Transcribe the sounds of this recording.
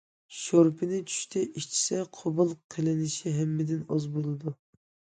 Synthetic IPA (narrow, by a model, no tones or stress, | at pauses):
ʃoɾpʰɪnɪt͡ʃʰy̥ʃt̪ʰɛʔiʃt͡ʃʰi̥sɛqʰobʊlˠqʰelɪnɪʃiɦɛmːɪd̪ɪnɑzbolˠɨd̪u